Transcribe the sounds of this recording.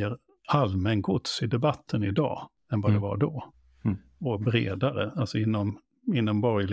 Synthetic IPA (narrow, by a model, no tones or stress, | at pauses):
əɾ | almɛnɡʰʊt̪sɪd̪ɛbat̪ʰːənɪd̪ɑ̰ː | ɛnvad̪ɛva̰ɖɔ | ɔbɾḛːd̪aɾə̰alsɔɪnːɔm | ɪnːɔmbɔɾjl